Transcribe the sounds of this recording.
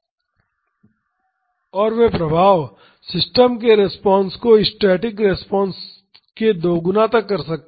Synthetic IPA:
ɔːɾʋepɾɐbʱaːʋ | sɪsʈəmkeɾɛspɔ̃ːnskoɪsʈeːʈɪkɾɛspɔ̃ːns | ked̪oːɡʊnat̪ɐkːɐɾsɐk̚t̪ː

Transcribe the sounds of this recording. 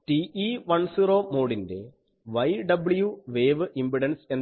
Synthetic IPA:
ʈiiʋɐɳsiːroːmo̞ːɽinde̞̰ | ʋɐjɖɐbɨɭjuʋeːʋɨʔimbiɽɐnse̞n

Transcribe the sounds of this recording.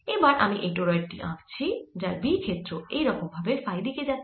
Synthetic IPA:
ebaɾamiʔeʈoɾʌjʈːḭʔã̰kt͡sʰid͡zaɾbikʰet̪roejɾʌkobʱabepʰajd̪iked͡zat̪

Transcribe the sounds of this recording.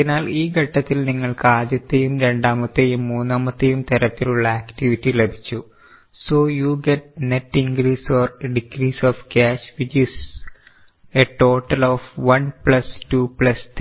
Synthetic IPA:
naːliːɡɐʈːɐt̪ːilniŋːɐɭkɨaːdjɐt̪ːejumɾe̞ɳɖaːmɐt̪ːejumːuːnːaːmɐt̪ːejumt̪ɐɾɐt̪ːiluɭːɐaːktiʋitːilebʱi̥t͡ɕːu | soːjuːɡeʈ̚netːiŋɡɾiːsoːrɖikriːsoːfkaːʃʋit͡ɕis | eʈo̞ːʈːɐloːfʋɐnpɭɐstuːpɭɐst̪

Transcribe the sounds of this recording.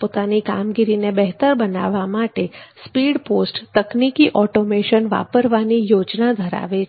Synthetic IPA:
pot̪anika̰mɡiɾinebɛɦt̪əɾbəna̰ʋamaʈespiːɽpoːsʈt̪əknikiʔɔʈomeʃənʋa̰pəɾʋanijoːd͡ʒnad̪ʱəɾa̰ʋe

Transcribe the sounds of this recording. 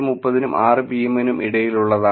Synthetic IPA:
mupːɐðinumʔaːrɨpijemɐnumʔḭɽɐjiluɭːɐða

